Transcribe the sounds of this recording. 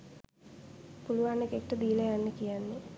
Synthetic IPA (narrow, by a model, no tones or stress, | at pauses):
puluʋanːekek̚ʈəd̪iːləjanːəkijanːe